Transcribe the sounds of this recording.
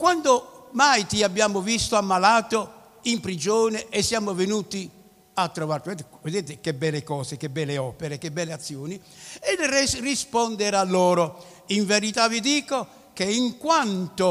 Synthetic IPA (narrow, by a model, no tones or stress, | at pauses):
kwand̪omajt̪iabːjaːmovist̪oamːalaːt̪o | impɾid͡ʒɔːnɛʔɛsːjaːmovenuːt̪i | at̪ːɾɔvaɾt̪ɛt̪ved̪ɛːt̪ɪkebɛlːekɔːsekebɛlːeɔːpɛɾekebːɛlːeat̪sːjoːni | ɛlrrispɔnd̪ɛɾalːɔːɾo | iɱveɾit̪avid̪iːko | keiŋkwant̪o